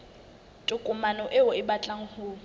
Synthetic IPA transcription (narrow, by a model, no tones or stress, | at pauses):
tʼʊkʼʊmanɔʔɪʊɪbat͡ɬʼaŋ̩hʊː